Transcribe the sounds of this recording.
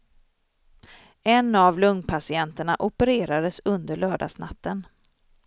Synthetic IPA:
ɛnavlɵŋnpʰasɪɛnt̪əɳaʔʊpəɾeːɾad̪əsɵnd̪əɭœːɖa̰sna̰t̪ːən

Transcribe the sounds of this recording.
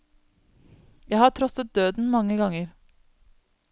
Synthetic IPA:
jæɪhɑːʈʰɾɔsət̪̚d̪øːd̪n̩mɑŋəɡɑŋəɾ

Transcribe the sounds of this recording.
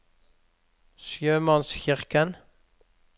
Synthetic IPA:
sjøːmɑnsçɪʁkən

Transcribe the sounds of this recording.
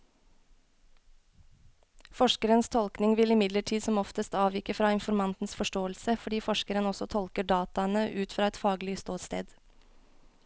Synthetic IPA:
fɔʃkəɾənst̪ʰɔlknɪŋʋɪlɪmɪd̪ləʈʰiːd̪sɔmɔft̪əst̪ɑːʋiːkəfɾɑːɪnfɔɾmɑnt̪n̩sfɔʃʈoːəlsəfɔɖiːfɔʃkəɾənɔsɔt̪ʰɔlkəɖɑːt̪ɑənəʔʉːt̪fɾɑːɛt̪fɑːɡlɪst̪oːt̪st̪ḛːd̪

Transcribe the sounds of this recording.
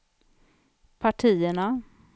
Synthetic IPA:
pʰaʈʰiːəɳa

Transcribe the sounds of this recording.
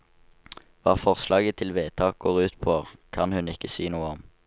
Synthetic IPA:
ʋɑːfɔʁslɑːɡət̪ʰɪlʋeːt̪ʰɑːk̚ɡ̥oːʁʉːt̪pʰoːʁkʰɑnhʉnɪkːəsiːnuːəɔm

